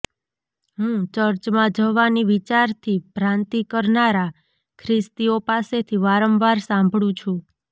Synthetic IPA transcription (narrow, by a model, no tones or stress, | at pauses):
ɦũt͡ʃəɾt͡ʃmãd͡ʒəʋaniʋit͡ʃaɾt̪ʰipɾãnt̪ikəɾnaɾa | kʰɾɪst̪iopaset̪ʰiʋaɾəmʋaɾsãmbʱɽũt͡ʃʰũ